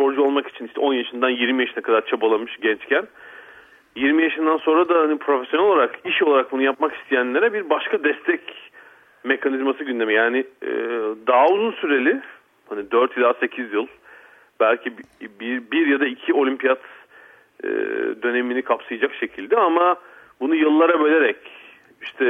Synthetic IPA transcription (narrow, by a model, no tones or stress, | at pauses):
so̞ɾd͡ʒuo̞lˠmaki̥t͡ʃʰiniʃt̪ʰɛ̰o̞njaʃɯnd̪anjiɾmijaʃɯnakʰad̪aɾt͡ʃʰabalˠamɯʃɟɛnt͡ʃcʰæn | jiɾmijaʃɯnd̪anso̞nɾad̪ahanipʰɾo̞fesjonɛlolˠaɾakiʃo̞lˠaɾak̚bunujapmaki̥st̪ʰijænlʲeɾɛbiɾbaʃkʰad̪ɛst̪ʰɛc | me̞kʰanizmasɯɟynd̪e̞mijaːnɪ | d̪aɦuzunsyɾe̞lʲɪ | hanid̪øɾt̪ʰlʲaːse̞cʰizjɯlˠ | bælʲcʰibbibiɾjad̪aicʰio̞lʲympijat̪ | d̪ø̞ne̞minikʰapsɯjad͡ʒakʃe̞cʰilʲd̪ɛama | bunujɯlˠːaɾabø̞lʲe̞ɾɛc | iʃt̪ʰɛ